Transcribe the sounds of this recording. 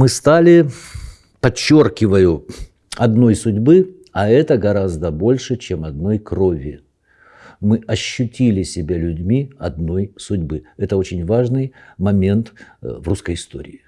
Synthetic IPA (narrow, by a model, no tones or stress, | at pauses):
mɨst̪alʲɪ | pɐt͡ɕːo̞rkʲɪvəjʊ | ɐd̪no̞jsʊdʲbɨ | ɐɛt̪əɡɐɾazd̪əbo̞lʲʂɨt͡ɕemɐd̪̚no̞jkro̞vʲɪ̰ | mɨʔɐɕːʊtʲilʲɪsʲɪbʲalʲʉdʲmʲiɐd̪no̞jsʊdʲbɨɛt̪əo̞t͡ɕɪnʲvaʐnɨjmɐmʲe̞nt̪vruskəjɪst̪o̞̰ɾʲɪ̰ː